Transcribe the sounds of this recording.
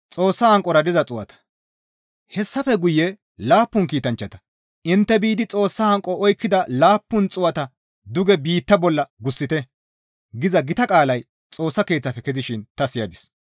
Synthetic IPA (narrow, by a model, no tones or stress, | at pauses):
t͡sʼo̞ːsːɐhɐŋkʼːɔɾɐd̪ɪzɐt͡sʼʊwɐ̰t̪ɐ̥ | hɛsːɐfɛɡʊjːɛ | laːpːʊŋkiːt̪ɐnt͡ʃːɐt̪ɐ̥ | ɪnt̪ːɛbiːd̪ɪt͡sʼo̞ːsːɐhɐŋkʼːɔɔjkːɪd̪ɐlaːpːʊnt͡sʼʊwɐt̪ɐ | d̪ʊɡɛbiːt̪ːɐbɔlːɐɡʊsːɪt̪ɛ | ɡɪzɐɡɪt̪ɐkʼaːlɐj | t͡sʼo̞ːsːɐke̞ːt͡sːɐfɛkɛzɪʃɪnt̪ɐsɪjɐd̪ɪs